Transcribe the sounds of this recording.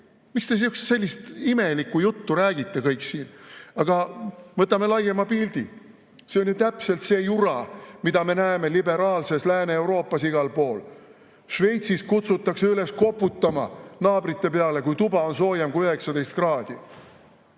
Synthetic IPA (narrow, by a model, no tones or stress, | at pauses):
mikst̪e̞s̬iyksse̞lʲːist̪ime̞likːˑujut̪ːuɾæːɡit̪ːe̞kɤjksiːnɑɡ̥ɑvɤt̪ˑːɑme̞lɑje̞mɑpild̪̥i | seo̞lʲjit̪æpse̞lt̪se̞ːjuɾɑmid̪ɑme̞næeme̞libe̞ɾɑːlse̞slæːneːwɾo̞ːpːˑɑsiɡ̥ɑlpo̞ːl | ʃve̞jt̪siskut̪sut̪ˑːɑkseyle̞sko̞pːˑut̪ːɑmɑnɑːb̥rit̪ːe̞pe̞ɑle̞kujt̪ubɑo̞nso̞ːjemkuøhe̞ksɑd̪e̞jst̪krɑːd̪̥i